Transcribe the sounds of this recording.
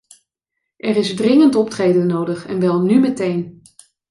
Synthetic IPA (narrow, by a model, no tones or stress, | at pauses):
ʔɛrɪzdrɪŋəntɔp̚trejdənowdəχɛnʋɛlˠnymətejn